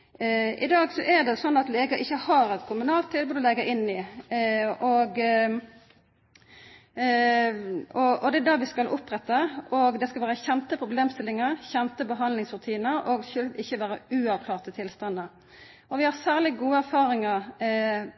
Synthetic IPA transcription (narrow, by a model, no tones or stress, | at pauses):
ʔɪ̰d̪ɑːɡsɔʔæʁd̪ɛsɔnːɑt̪leːɡɑʔɪçːəhɑɾɛt̪kʰʊmʉnɑːlt̪ʰːɪlbʉːd̪ɔlɛɡːəɾɪnːɪ | ɔɡ | ɔʔɔd̪ɛæd̪ɑːʋɪskɑlʔʊpːʁɛt̪ːəɔɡd̪ɛskɑlʋæːɾəçɛnt̪əpʰʁʊbleːmst̪ɪlːɪŋəʁçɛnp̪əbəɦɑnd̪lɪŋsʁʉt̪ʰiːnəɾɔɡçølʋɪçːəʋæːɾəʉːɑʋkʰlɑːʁt̪ət̪ʰɪlst̪ɑnːə | ʔɔʋɪhɑsæːʁlɪɡuːəæɾfɑːɾɪŋəɾ